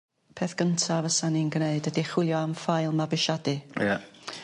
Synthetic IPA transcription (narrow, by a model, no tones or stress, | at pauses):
pʰeːθɡ̥əntʰavəsaninɡneɨdədiχwɪlˠjɔamfajlˠmabɪʃadɨja